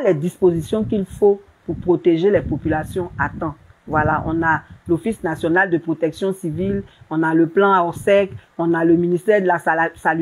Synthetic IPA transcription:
lɛd̪ispozisjɔ̃kilfo | puʁpχot̪eʒelɛpopylasjɔ̃at̪ɑ̃ | vwalaʔɔ̰̃nalofisnasjɔnald̪əpχot̪ɛksjɔ̃sivilɔ̃naləplɑ̃aɔsɛkɔ̃naləminist̪ɛʁd̪əlasal

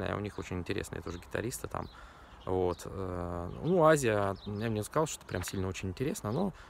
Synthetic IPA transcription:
a̰jə̰ʊ̰nʲixo̞t͡ɕɪnʲɪnʲtʲɪɾʲesnɨ̰jɛ̰t̪ʊʐɨɡʲɪt̪ɐ̰ɾʲist̪ɨt̪a̰m | vot̪ə̰nuazʲɪjəjamnʲeəkɐzɑlˠʂt̪oɛt̪pɾʲʔamsʲilʲnəo̞t͡ɕɪnʲɪnʲtʲɪɾʲesnəno̞

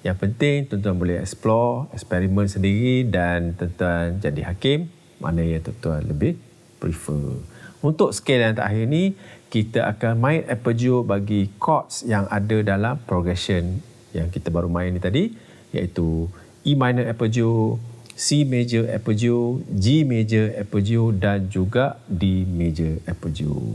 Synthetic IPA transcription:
jaŋpənt̪ɪŋt̪ənt̪uanbolɛɦɛ̰ksplɔɛkspɛɾimə̃nsəndiɾidant̪ənt̪uand͡ʒadihakɪmː | ʔa̰nəjat̪ənt̪uanləbɪh | pɾifəunt̪ʊk̚sə̥kelant̪a̰ʔaɦinĩkit̪aʔa̰kanmãɪt̪ɛpəd͡ʒobaɡikʰɔt̪̚sjaŋʔadədalampɾoɡɾɛsən | jaŋkit̪abaɾumãɪnĩt̪adi | ja̰ʔit̪u | imãjnəɛpəd͡ʒosimed͡ʒəʔɛ̰pəd͡ʒiod͡ʒimed͡ʒəɛpəd͡ʒiodand͡ʒuɡaʔdimed͡ʒəɛpəd͡ʒio̰

